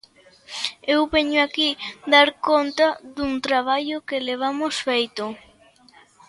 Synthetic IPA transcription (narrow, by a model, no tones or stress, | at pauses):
ewβeɲʊakid̪aɾkont̪aðuŋt̪ɾaβ̞aʎʊkeleβ̞amosfejt̪ʊ